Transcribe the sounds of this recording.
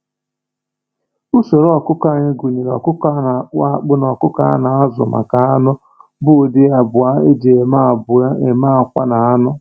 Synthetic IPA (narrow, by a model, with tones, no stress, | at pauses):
u˦so˨ɾɔ˨kʊ˦ka˦˨ɲɪ˦ɡu˨ne˨ɾɔ̰˨kʊ˦ka˦na˨k͡pa˦˨k͡pʊ˦nɔ˨kʊ˦ka̰˦na˨a˦zʊ̰˨ma̰˨ka˨a˦nʊ˦ | bʊ˦˨dɪ˦a˨bʊ˨a˦e˦d͡ʒe˨e˨ma˦˨bʊ˨˦e˨ma˦a˨kʷa̰˦na˨a˦nʊ˦